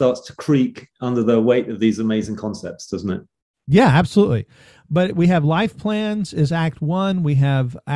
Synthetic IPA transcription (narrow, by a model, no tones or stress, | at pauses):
tɑɹtstʰə̥kʰɹ̥iˑkʌ̃ndə˞ðəweɪtəvðizəmeɪzɪ̃ŋkʰɒ̃nsɛ̰p̚tsd̥ʌzn̩tɪ̰t̚ | jææb̥səlutˡlḭ | b̥ʌt̚wiɨvlaɪfpʰl̥æ̃nzɪzæk̚t̚wʌ̃nwiɨv